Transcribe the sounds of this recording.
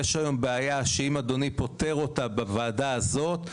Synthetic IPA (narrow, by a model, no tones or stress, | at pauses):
eʃajo̞mbeajaʃeimad̪o̞nipo̞te̞ʁo̞tabevaːdaːzo̞t̪